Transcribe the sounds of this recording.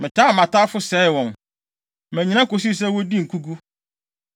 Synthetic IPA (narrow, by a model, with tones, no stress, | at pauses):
mɪ̃˨tʰaː˦˨mã˨tʰa˦fʊ˦sɛ˨˦ɪ˨wɔ̃˨n | mæ̃˨ɲĩ˨ñã˦ko˨s̬i˦s̬ɛ˦wɔ˦di˦ŋ̩˨kʰu˦ɡu˦